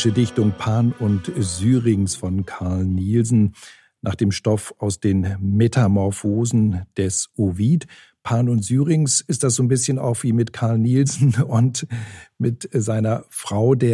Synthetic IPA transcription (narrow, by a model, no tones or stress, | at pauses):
ʃədɪçtʊŋpʰaːnʊntzyːʁɪŋsfɔnkʰaɐlniːlzn̩ | nʔa̰ːχd̥eːmʃtɔfaʊsd̥eːnmetʰamɔɐfoːzn̩d̥ɛsʔoviːt | pʰaːnʊntz̥yːʁɪŋsɪstd̥asz̥oːnbɪsçəna̰ʊxv̥iːmɪtkʰaɐlniːlzn̩ʊntmɪtzaɪnɐfʁ̥aʊdeːɐ